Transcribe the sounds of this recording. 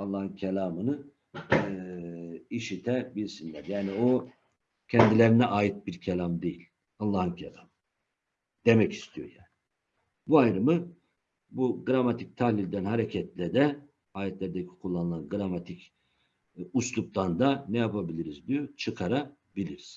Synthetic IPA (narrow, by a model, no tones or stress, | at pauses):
alˠːahɯncʰelʲaːmɯnɯ | iʃit̪ʰɛbiɾsinlʲæɾjaːnio | cʰɛnd̪ilʲeɾinɛʔaːjit̪̚biɾcʰelʲamd̪e̞jilʲ | alˠːahɯncʰelʲaːmɯ | d̪̥e̞mɛci̥st̪ʰijo̰jaːni | buajɾɯmɯ | buɡɾamat̪ʰic̚t̪ʰahlʲilʲd̪ænhaɾecʰɛt̪ʰlʲɛd̪ɛ | haːjɛt̪lʲæɾd̪ɛcʰi̥kʰulˠːanɯlˠanɡɯɾamat̪ʰic | uslˠup̚t̪ˠand̪anɛjapʰabilʲiɾizd̪ijot͡ʃʰɯkʰaɾa | bilʲiɾiz̥